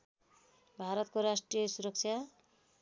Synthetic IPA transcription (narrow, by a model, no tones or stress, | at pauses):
bʱaɾʌt̪koɾasʈrijʌsuɾʌk̚t͡sʰja